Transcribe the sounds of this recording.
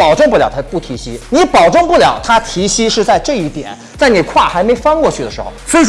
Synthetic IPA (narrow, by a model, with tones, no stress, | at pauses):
pɑ˨˩ʊʈ͡ʂʊ˥˧ŋp̬u˥˩ljɑ˨˩ʊtʰpu˥˩t̪ʰi˧˥ɕi˥ni˧˥pɑ˨˩ʊʈ͡ʂʊ˥˧ŋpu˥˩ljɑ˨˩ʊt̪ʰa˥t̪ʰi˧˥ɕi˥ʂɻ̩˥˧t͡sa˥˧ɪʈ͡ʂɤ˥˧i˥˩t̪jɛ̰˨˩˦n | t͡sa˥˩ɪni˨˩kʰwa˥˩xa˧˥ɪme˧˥ɪfɑ˥˧ŋkwɔ˥˧t͡ɕʰy˥˩d̪ə˩ʂɻ̩˧˥xo̰˥˧˩ʊsɔ˧˥i˧˩